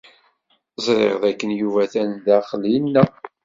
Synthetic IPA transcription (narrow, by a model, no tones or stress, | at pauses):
zˤɾˤḛʁðækːənjuvæθænðæχəlinːæ